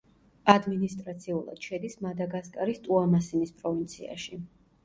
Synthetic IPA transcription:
ad̪minist̪ʼɾat̪sʰiulˠa̰d̪̥ʃɛd̪ismad̪aɡaskʼaɾist̪ʼuamasinispʼɾɔvint̪sʰia̰ʃi

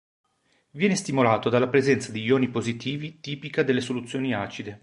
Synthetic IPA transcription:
vjɛːnest̪imolaːt̪od̪alːapɾezɛnt̪sad̪ijoːnipozit̪iːvit̪iːpikad̪elːesolut̪sːjoːniaːt͡ʃid̪e

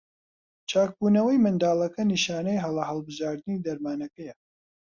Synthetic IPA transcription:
t͡ʃaːk̚buːnɐwɐjmɨnd̪aːlˠɐkɐniʃaːnɐjɦɐlɐɦɐlˠbɨʒaːɾd̪ɨniːd̪ɐɾmaːnɐkɐjɐ

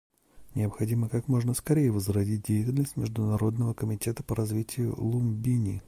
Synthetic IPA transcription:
nʲɪəpxɐdʲiməkakmo̞ʐnəskɐɾʲejəvəzrɐdʲit̚ʲdʲejɪtʲɪlʲnəsʲtʲmʲɪʐd̪ʊnɐɾo̞d̪nəvəkəmʲɪtʲe̞t̪ə̥pəɾɐzvʲitʲɪjʊ̰lˠʊmbʲinʲḭ

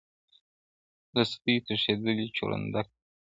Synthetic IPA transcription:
d̪əst̪it̪əʃed̪əlit͡ʃo̰ɽa̰nd̪ak̚

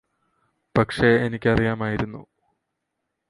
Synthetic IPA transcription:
pɐkʂeenikʲːɐrijaːmaːjiɾunːṵ

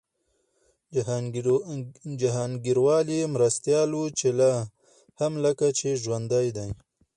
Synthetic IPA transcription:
d͡ʒaɦɑːnɡiɾwɑlimɾast̪jɑːlwut͡ʃela | hamləkat͡ʃeʒwand̪ajd̪aj

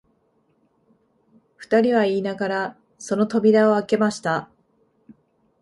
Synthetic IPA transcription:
ɸɯ̟̥t̪aɾʲiβ̞aiːnaɡaɾa | so̞no̞t̪o̞bʲiɾao̞ake̞maɕi̥t̪a

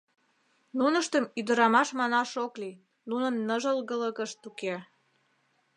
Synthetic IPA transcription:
nunəʃt̪əmyd̪əɾɑmɑʃmɑnɑʃokli | nunə̆nːəʒəlɣələɣəʃt̪uke

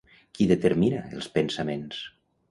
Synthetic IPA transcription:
kiðət̪əɾminaelˠspənsamens

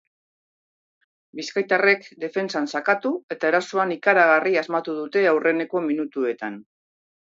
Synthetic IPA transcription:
biskajt̪are̞kd̪e̞fe̞nsansakat̪ue̞t̪aeɾasoanikaɾaɣ̞ariazmat̪uðut̪e̞awre̞ne̞ko̞minut̪ue̞t̪an

